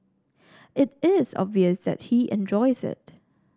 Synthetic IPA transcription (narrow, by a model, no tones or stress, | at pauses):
ʔɪtɪzɔ̰bviəsðɛ̰t̚hiʔɛ̰̃nd͡ʒɔɪzɪ̰t̚